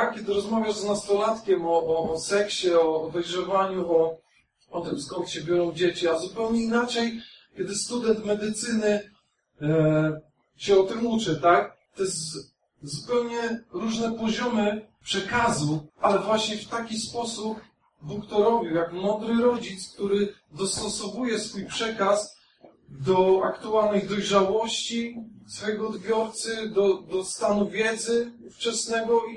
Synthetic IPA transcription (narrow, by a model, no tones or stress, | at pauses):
akkʲɛd̪ɘɾɔzmavʲjaʐznast̪ɔlat̪kʲɛmɔʔːsɛkɕɛɔːd̪ɛjʐɛvaɲuɔ | ɔt̪ɪmsɡɔt̪ɕɛbʲjɔɾɔ̃w̃d͡ʑet͡ɕiazupɛwɲɛinat͡ʂɛjkʲɛd̪ɘst̪ud̪ɛnt̪mɛd̪ɘt̪sɘnɘ | ɕɛɔt̪ɘmut͡ʂɘt̪akt̪ɔjɛst̪ | zupɛwɲɛɾuʐnɛpɔʑɔmɘ | pʂɛkazualɛvwaɕɲɛft̪akʲispɔsup | bukt̪ɔɾɔbʲiwjakmɔnd̪ɾɘɾɔd͡ʑit̪skt̪uɾɘ | d̪ɔst̪ɔsɔvujɛsfujpʂɛkas | d̪ɔa̰kt̪ualnɛjd̪ɔjʐawɔɕt͡ɕisfɔjɛɡɔːd̪bʲjɔɾt̪sɘd̪ɔd̪ɔst̪anuvʲjɛd̪zɘuft͡ʂɛsnɛɡɔ